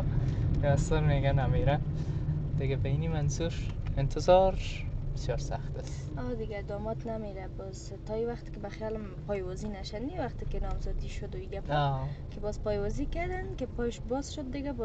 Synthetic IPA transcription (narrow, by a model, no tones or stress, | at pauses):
asɔɾmeɡanameɾa | d̪̥ɪɡabainimanzuɾɪnt̪ʰɪzɔɾbɪsjɒɾsaxt̪asɔd̪ɪɡad̪ɔmɔt̪nameɾabɔz | t̪ɔiwaχt̪kɪbaxjalmpɔjwɔzinaʃaniwaqt̪ɪkɪnɔmzɔd̪iʃʊd̪oiɡapakebɔzpɔjwɔzikaɾd̪ankepɔjʃbɔzʃʊd̪̚ːɪɡab